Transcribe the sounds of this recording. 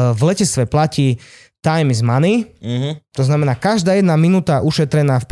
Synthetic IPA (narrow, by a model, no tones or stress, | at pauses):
vlɛcɛt͡sst̪ʋɛplaciː | t̪ajmizmaniɦt̪ɔznamɛnaːkaʒd̪aːjɛd̪naminuːt̪aʔuʃɛt̪ɾɛnaːfp